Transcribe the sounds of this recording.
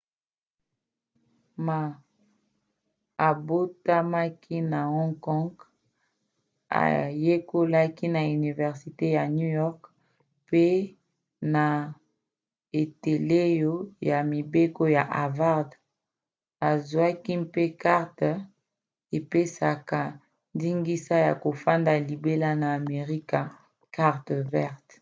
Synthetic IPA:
ma˨ | a˨bo˦ta˦ma˦kʰi˦na˨ɔ˦ŋkɔ˦ŋɡ | a̰˨je˦ko˦la˦ki˦na˨y˨ni˨vɛ˨ʁsi˨te˦ja˨nju˦jɔ˦ʁk | pe˦ | na˨ | e˨te˨le˦jo˦ja˨mi˨be˦ko˦ja˨ʔa˨va˦ʁd | a˨zwa˦ki˦pe˦ka˦ʁt | e˨pe˦sa˨ka˨ | ndi˦ŋɡi˦sa˦ja̰˨ko˨fa˦nda˨li˨be˦la˦naː˨me˨ʁi˦ka˨ | ka˦ʁtvɛ˦ʁt

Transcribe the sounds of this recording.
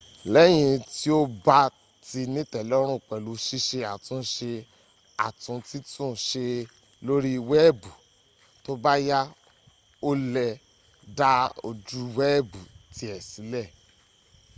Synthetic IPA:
lɛ˦j̃ĩ˧ti˦o˦ba˦ | ti˧nĩ˦tɛ˨lɔ˦ɾ̃ũ˦˨k͡pɛ˨lu˨˦ʃi˦ʃe˧a˨tũ˦ʃe˧ | a̰˨tũ˨˦ti˦tũ˦˨ʃe˧ | lo˦ɾi˦i˧wɛ˦˨bu˨ | to˦ba˦ja˦ | o˦lɛ˧ | da˦o̰˧d͡ʒu˦˧wɛ˦˨bu˨ti˧˦ɛ˨si˨˦lɛ˦˨

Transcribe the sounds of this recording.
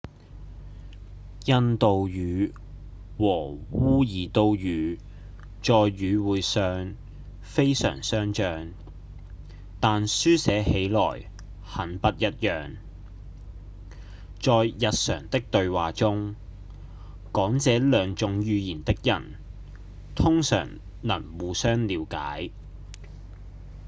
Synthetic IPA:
jɐ˥nt̪o˨wjyː˨˧˥ | wɔː˨˩wuː˥jiː˨˩t̪o˧wjyː˨˧ | t͡sɔː˨jːyː˨˧wuː˨˧jsœː˧ŋ | fe˥jsœ̰ː˨˩ŋsœː˥ŋt͡ʃœː˨ŋ | t̪aː˨nsyː˥sɛː˨˥he˨˥jlɔ̰ː˨˩j | hɐ˨˥npɐ˥t̚jɐ˥t̚jœː˨ŋ | t͡sɔː˨jjɐ˨t̚sœ̰ː˨˩ŋt̪ɪ˥k̚t̪ɵ˧ɥwaː˨t͡sʊ˥ŋ | kɔː˨˥ŋt͡sɛː˨˥lœː˨ŋt͡sʊ˨˥ŋjyː˨˧jiː˨˩nt̪ɪ˥k̚jɐ̰˨˩n | t̪ʰʊ˥ŋsœ̰ː˨˩ŋ | nɐ̰˨˩nwuː˨˧sœː˥ŋliː˨˧wka̰ː˨˥j

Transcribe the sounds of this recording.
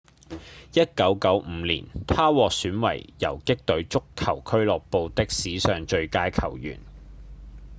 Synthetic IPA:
jɐ˥t̚kɐ˨˥wkɐ˨˥wm̩ː˨˧˦lḭː˨˩nt̪ʰaː˥wɔː˨k̚syː˨˥nwɐ̰˨˩jjɐ̰˨˩wkɪ˥k̚t̪ɵ˨˥ɥt͡sʊ˥kʰːɐ˨˩wkʰɵ˥ɥlɔː˨k̚po˧wt̪ɪ˥k̚siː˨˥sœː˨ŋt͡ʃɵ˧ɥkaː˧jkʰɐ˨˩wjy̰ː˨˩n

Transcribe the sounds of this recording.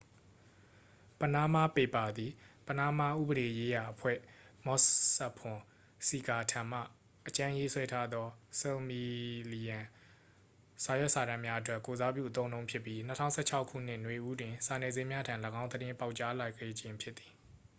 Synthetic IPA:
pə˨na˦ma˦pe˨pa˨d̪i˨pə˨na˦ma˦ʔṵ˦˨bəɾe˨je˦ja˨ʔəpʰwɛ̰˦˨mɔ˦sɛ˦˨pʰʊ̃˨ | si˨ka˨tʰã˨m̥ä̰˦˨ | ʔət͡ɕã˦je˦swɛ˦tʰa˦d̪ɔ˦so˨mi˨li˨jã˨ | sa˨jwɛ˦ʔsa˨ɾã˦˨mja˦ʔət̬wɛ˦ʔko˨za˦pjṵ˦˨ət̪õ˦ʊ̃nõ˦ʊ̃mpʰjɪ˦pːji˦nə˦tʰã˦˨sɛ˦˨t͡ɕʰa˦ʊkʰːṵ˦˨n̥ɪ˦˨nwe˨ʔu˦dwɪ̃˨sa˨nɛ˨zẽ˦mja˦tʰã˨ləɡã˦ʊ̃d̪əɾɪ̃˦pa˦ʊʔt͡ɕa˦la˨ɡɛ˦˨d͡ʑɪ̃˨mpʰjɪ˦t̪ːi̥˨

